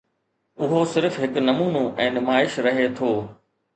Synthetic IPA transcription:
ʊɦosɪɾfɦɪknɐmuːnõʔɛ̃ːnʊmaːɪʃɾɐɦet̪ʰoː

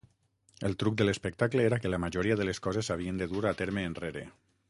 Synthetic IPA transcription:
əlˠt̪ɾuk̚d̪ələspək̚t̪akleeɾakelamaʒoɾiaðəleskɔzezaβ̞iend̪əðuɾaːt̪eɾmeːnreɾḛ

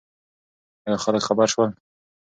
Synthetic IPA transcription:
əɡaxaləkxabaɾʃwəl

